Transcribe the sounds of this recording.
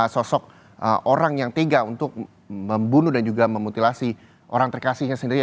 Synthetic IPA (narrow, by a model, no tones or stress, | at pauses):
sɔsɔk̚ | ʔəʔoɾaŋjaŋt̪eɡaunt̪ʊk̚ | məmbunudand͡ʒuɡaməmut̪ilasi | ʔo̰ɾaŋt̪ərkasɪhɲasəndiɾi